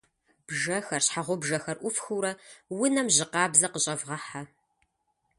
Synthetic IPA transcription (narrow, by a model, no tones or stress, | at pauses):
b̥ʒɐxɐrɕħaʁʷʊbʒɐxɐrʔʷʊfxɨwɾɐwʊnɐmʑɪqɑːbzɐqəɕʼɐvʁɐħa